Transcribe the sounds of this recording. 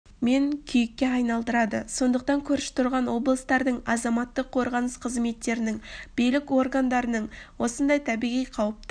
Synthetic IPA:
me̞ŋkʲʰʏjɪkʲːe̞ɑjnɑlˠd̪əɾɑd̪əso̞nd̪əq̚t̪ɑŋkʲʰɵɾɪʃɪ̥t̪ʰʊɾʁɑnwo̞blˠəst̪ɑɾd̪əɴɑzɑmɑt̪ːəqʰːo̞ɾʁɑnəsqʰəzme̞t̪ːe̞ɾɪnɪŋb̥ijlɪko̞rɡand̪ɑɾənəɴwo̞sənd̪ɑjt̪ʰæbijʁijqʰɑwəp̚t̪ə

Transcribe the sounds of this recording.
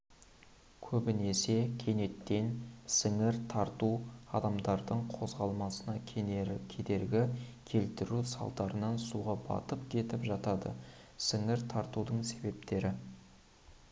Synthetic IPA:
kʲʰɵbɪne̞se̞kʲʰe̞ne̞t̪ːe̞nsɪŋɪɾt̪ʰɑɾt̪uɑ̰d̪ɑmd̪ɑɾd̪əɴqʰo̞zʁɑlˠmɑsənɑkʲʰe̞d̪e̞ɾɡʲɪkʲʰe̞lt̪ɪɾusɑ̰lˠt̪ɑɾənɑnsuʁɑbɑ̰t̪əpkʲʰe̞t̪ɪpʒɑt̪ɑd̪ə̰ | sɪŋɪɾt̪ʰɑɾt̪ud̪əɴse̞be̞pt̪e̞ɾɪ

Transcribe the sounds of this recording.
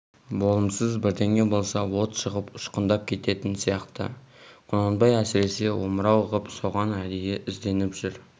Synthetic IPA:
bo̞lˠəmsəzbɪɾd̪e̞ŋe̞bo̞lˠsɑwo̞t̪ʃəʁəpʊʃqənd̪ɑp̚kʲʰe̞t̪e̞t̪ɪnsijɑqt̪ə̰qʰonɑnbɑjæsɪɾe̞se̞wo̞məɾɑwəʁəpso̞ʁɑnæd̪ejeʔɪzd̪e̞nɪpʒʏɾ

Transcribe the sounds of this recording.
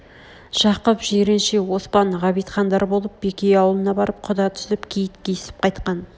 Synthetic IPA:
ʒ̥ɑqəpʒeɾɪnʃewo̞spɑɴʁɑβijt̪χɑnd̪ɑɾbo̞lˠəp̚b̥ekʲejɑwəlˠənɑbɑɾəp̚qʰʊd̪ɑt̪ʰʏ̥sɪpkʲʰejɪt̪̚kʲʰeɪsɪ̥p̚qʰɑjt̪qɑn

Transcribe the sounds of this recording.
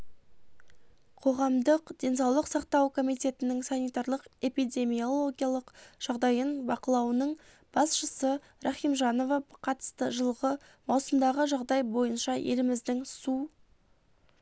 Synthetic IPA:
qʰo̞ʁɑmd̪əqd̪̥ʲe̞nsɑwlˠəqsɑqt̪ɑwkʰo̞mijt̪ʲe̞t̪ɪnɪŋsɑnijt̪ɑɾlˠəqe̞pijd̪ʲe̞mijo̞lˠo̞ɡʲijalˠəqʒ̥ɑʁd̪ɑjənbɑqəlˠɑwnəɴ | b̥ɑsʃəsə | ɾaχijmʒɑno̞vɑqʰɑt̪ə̥st̪əʒəlˠʁə | mɑwsəmd̪ɑʁəʒɑʁd̪ɑjbo̞jənʃɑʔe̞̰lɪmɪzd̪ɪŋsu

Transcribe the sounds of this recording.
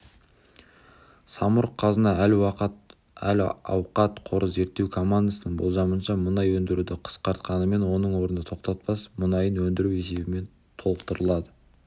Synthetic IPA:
sɑmʊɾqʰːɑzənd̪ɑælwɑqət̪ | ælɑ̰wqɑt̪qʰo̞ɾʔəzze̞ɾt̪ːe̞wkʰo̞mːand̪asənəɴbo̞lˠʒɑmənʃɑmənɑjwɵnd̪ɪɾud̪ɪqʰə̥sqɑɾt̪qɑnəme̞nwo̞nəɴwo̞ɾənd̪ət̪ʰoqt̪ɑt̪̚pɑsmʊnɑjənwɵnd̪ɪɾuwe̞se̞bɪme̞n | t̪ʰo̞lˠəqt̪əɾəlˠɑd̪ə

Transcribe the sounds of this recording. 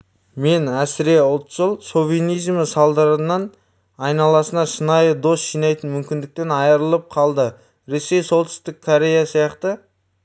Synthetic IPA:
me̞næsɪɾe̞ʊlˠt̪ʒəlˠso̞vʲinijzməsɑlˠd̪ɑɾənːɑn | ɑjnɑlˠɑsənɑʃənɑjəd̪o̞sʃijnɑjt̪ənmʏmkʲɪnd̪ɪk̚t̪e̞nɑjəɾəlˠəp̚qʰɑlˠd̪ə | ɾe̞se̞jso̞lˠt̪ʏ̥st̪ɪkʰːoɾʲe̞jasijɑqt̪ə

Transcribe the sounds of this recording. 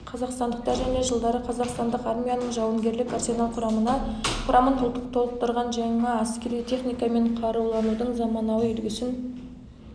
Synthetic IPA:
qʰɑzɑqst̪ɑnd̪əq̚t̪ɑɾʒæne̞ʒəlˠd̪ɑɾəqʰɑzɑqst̪ɑnd̪əqɑɾmʲijanəɴʒɑwɑɴɡʲe̞ɾlɪkarso̞nalˠqʰʊɾɑmənɑqʰʊɾʔɑmənʊlˠt̪ːəq̚t̪ʰo̞lˠəp̚t̪əɾʁɑnʒɑɴɴɑæskʲe̞ɾijt̪ʰe̞χnijkɑme̞ɴqʰɑɾulˠɑnud̪əɴzɑmɑnɑwəʏlɡʲɪsɪn

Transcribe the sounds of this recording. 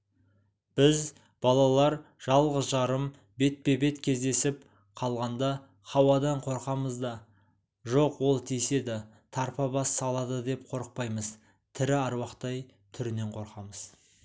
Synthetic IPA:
b̥ɪz | b̥ɑlˠɑlˠɑɾ | ʒ̥ɑlˠʁəzʒɑɾəm | be̞t̪̚pe̞be̞t̪kʲʰe̞zd̪e̞sɪp | qʰɑlˠʁɑnd̪ɑ | χɑwɑd̪ɑɴqʰo̞ɾqɑməzd̪ɑ | ʒo̞qwo̞lˠt̪ʰijse̞d̪ɪ | t̪ʰɑɾpɑbɑsːɑlˠɑd̪əd̪e̞p̚qʰo̞ɾəq̚pɑjməz | t̪ʰɪɾɪɑɾwɑqt̪ɑj | t̪ʰʏɾɪne̞ɴqʰo̞ɾqɑməz̥

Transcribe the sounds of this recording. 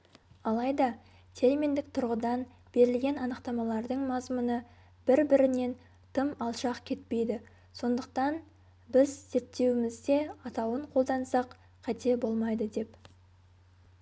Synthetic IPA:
ɑlˠɑjd̪ɑ | t̪ʰe̞ɾme̞nd̪ɪk̚t̪ʰʊɾʁəd̪ɑn | b̥e̞ɾɪlɡʲe̞nɑnəqt̪ɑmɑlˠɑɾd̪əɴmɑzmunə | b̥ɪɾbɪɾɪne̞n | t̪ʰəmɑlˠʃɑqkʲʰe̞t̪̚pe̞jd̪ɪ | so̞nd̪əq̚t̪ɑn | bɪzze̞p̚t̪ːe̞wɪmɪzd̪e̞ɑt̪ɑwəɴqʰo̞lˠd̪ɑnsɑq | qʰɑt̪e̞bo̞lˠmɑjd̪əd̪e̞p

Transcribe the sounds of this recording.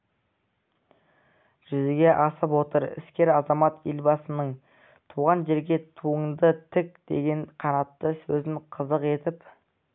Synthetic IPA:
ʒ̥ʏzɪɡʲe̞ʔɑsəpwo̞t̪əɾɪ̰skʲe̞ɾɑzɑmɑt̪elbɑsənəɴ | t̪ʰuʁɑnʒe̞ɾɡʲe̞t̪ʰuəŋd̪ət̪ʰɪk̚d̪̥e̞̰ɡʲe̞nqʰɑnɑt̪ːəsɵzɪŋqʰəzəqe̞t̪ɪp

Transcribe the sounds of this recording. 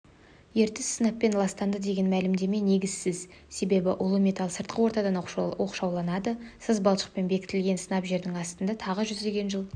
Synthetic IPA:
je̞ɾt̪ɪsənɑpːe̞nlˠɑst̪ɑnd̪əd̪e̞ɡʲe̞nmælɪmd̪e̞me̞ne̞ɡʲɪz̥sɪz | se̞be̞bɪʔʊlˠəmʲe̞t̪ɑlˠsəɾt̪̚qəwo̞ɾt̪ɑd̪ɑno̞qʃɑwlˠɑnɑd̪əsəzbɑlˠʃə̥q̚pe̞nbe̞kʲɪ̥t̪ɪlɡʲe̞nsənɑpʒe̞ɾd̪ɪŋɑst̪ənd̪ɑt̪ʰɑʁəʒʏzd̪e̞ɡʲe̞nʒəlˠ

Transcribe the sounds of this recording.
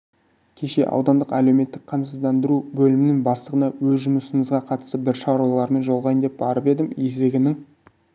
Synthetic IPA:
kʲʰe̞ʃe̞̰ʔɑ̰wd̪ɑnd̪əqæle̞wme̞t̪ːɪk̚qʰɑmsəzd̪ɑnd̪əɾubɵlɪmɪnɪŋbɑslˠəʁənɑwɵzʒʊmʊsəməzʁɑqʰɑt̪ə̥st̪əbɪɾʃɑɾwɑlˠɑɾme̞nʒolˠʁɑjənd̪e̞p̚bɑɾəpe̞d̪ɪmezd̪ɪɡʲɪnɪŋ

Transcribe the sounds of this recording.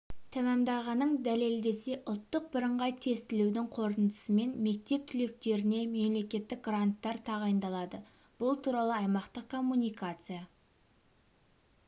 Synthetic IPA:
t̪ʰæmæmd̪ɑʁɑnəɴd̪æle̞ld̪e̞se̞ʔʊlˠt̪ːəq̚bɪɾəɴʁɑjt̪ʰe̞st̪ɪlewd̪ɪŋqʰo̞ɾt̪ənd̪ə̥səme̞nme̞k̚t̪e̞p̚t̪ʰʏle̞k̚t̪e̞ɾɪne̞me̞mle̞kʲe̞t̪ːɪk̚ɡrant̪ːɑɾt̪ʰɑʁɑjənd̪ɑlˠɑd̪ə | b̥ʊlˠt̪ʰuɾɑlˠəɑjmɑqt̪əqkʰo̞mːunijkat̪sɨja

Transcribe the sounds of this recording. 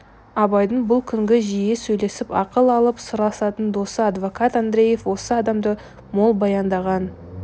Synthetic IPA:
ɑbɑjd̪ənbʊlˠkʲʰʏŋɡʲɪʒijesɵjle̞sɪpɑ̰qəlˠɑlˠəpsʊɾɑsɑt̪ənd̪o̞səɑd̪vo̞kat̪and̪ɾe̞je̞fwo̞səɑd̪ɑmd̪ə | mo̞lˠbɑjɑnd̪ɑʁɑn

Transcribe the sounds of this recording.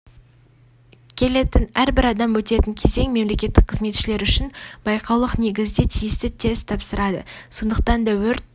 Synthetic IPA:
kʲʰe̞le̞t̪ɪnæɾbɪɾɑd̪ɑmwɵt̪e̞t̪ɪŋkʲʰe̞ze̞ŋme̞mle̞kʲe̞t̪ːɪk̚qʰəzme̞t̪ʃɪle̞ɾʏʃɪnb̥ɑjqʰɑwlˠəqne̞ɡʲɪzd̪et̪ʰijɪst̪ɪt̪ʰe̞zt̪ʰɑpsəɾɑd̪ə̰so̞nd̪əq̚t̪ɑnd̪ɑwɵɾ

